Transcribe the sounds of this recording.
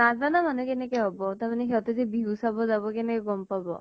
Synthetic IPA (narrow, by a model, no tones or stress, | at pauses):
nad͡zbanamanɛkenɛkɛɦɔbɔt̪aɾmanɛɦɛt̪ezebiusabɔd͡zabɔkenɛkɛɡɔmpabɔ̰